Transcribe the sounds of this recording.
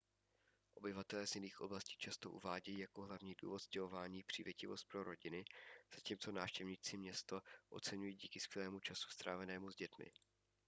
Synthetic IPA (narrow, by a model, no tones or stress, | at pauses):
ʔo̞bɪvat̪ɛlɛːzjɪniːxʔo̞blasciːt͡ʃast̪o̞ʔṵvaːɟɛjiːjako̞ɦlavɲiːdṵːvo̞t̪scɛɦo̞vaːɲiːpr̥ɪːvjɛcɪvo̞st̪̚pɾo̞ɾo̞ɟɪnɪz̥aciːmt͡so̞naːfʃcɛvɲɪt͡sɪmɲɛst̪o̞ʔo̞̰t͡sɛɲujiːɟiːkɪskvʲjɛlɛːmut͡ʃasu̥st̪ɾaːvɛnɛːmuzɟɛt̪mɪ̰